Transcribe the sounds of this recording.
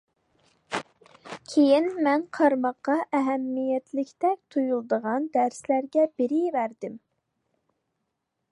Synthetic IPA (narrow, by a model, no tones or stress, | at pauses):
kʲʰejinmɛnqʰɑɾmɑqːɑʔɛɦɛmːijɛt̪lɪkʲt̪ɛk̚ʲt̪ʰujulˠd̪əʁɑnd̪æɾslæɾɡʲɛbɪɾɪjvæɾd̪ɪm